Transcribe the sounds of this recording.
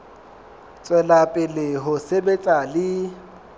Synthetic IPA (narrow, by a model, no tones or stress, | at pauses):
t͡sʼwɛlapʼɪlɪɦʊsebet͡sʼalɪ